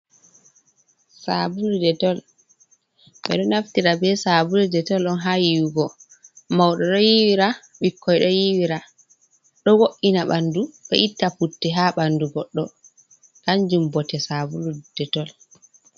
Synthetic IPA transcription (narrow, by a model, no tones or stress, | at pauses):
sabuludɛtɔl | ɓɛ̰ɗɔnaftiɾabɛsabuludɛtɔlɗɔnɦajiwuɡɔ | mawɗɔɗɔjiwiɾa | ɓikːɔjɗɔjiwiɾa | ɗɔwoʔːinaɓanduɗɔ̰ʔitːafutːɛɦaɓanduɡɔɗːɔ | kaɲd͡ʒumbɔtɛsabulud̥ɛtɔl